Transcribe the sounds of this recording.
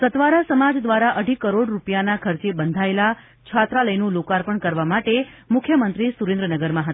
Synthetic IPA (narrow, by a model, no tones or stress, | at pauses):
sət̪ʋaɾasəmad͡ʒd̪ʋaɾaʔəɖʱikəɾoɽɾupjanakʰəɾt͡ʃebənd̪ʱaela | t͡ʃʰat̪ɾaləjnũlokaɾpəɳkəɾʋamaʈemʊkʰjəmənt̪ɾisuɾẽnd̪ɾənəɡəɾmãɦət̪